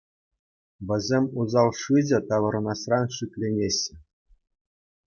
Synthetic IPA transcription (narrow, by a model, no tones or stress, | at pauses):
ʋʲɘ̆zʲemʲuzɑlˠʂɯd͡ʑʲɘ̆t̪ɑʋɤ̆ɾɤ̆nɑsrɑnʂikʲlʲenʲeɕːɘ̆